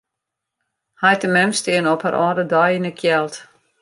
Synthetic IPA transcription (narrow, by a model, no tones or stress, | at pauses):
hajtəmɛmstɪənɔpha̰ɾʔɔːdədɔjinəkʰjɛlˠt